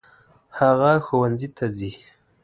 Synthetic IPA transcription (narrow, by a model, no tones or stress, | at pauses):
haɣaxowanzit̪ʰazi